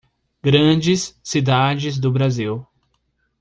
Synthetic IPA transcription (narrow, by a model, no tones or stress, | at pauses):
ɡɾɐ̃d͡ʒɪsːid̪ad͡ʒɪzd̪ʊbɾaziw